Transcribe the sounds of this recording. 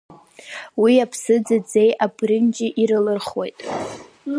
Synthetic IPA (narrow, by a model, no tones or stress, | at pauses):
wiapʰsɨd͡zad͡ze̞jabrɨnd͡ʒʼɪʔiɾɨlɨrχwo̞jtʼ